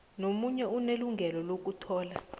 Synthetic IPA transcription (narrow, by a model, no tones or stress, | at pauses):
nomuɲɛuneluŋɡʱɛlɔlok̬ʼutʰɔːla̰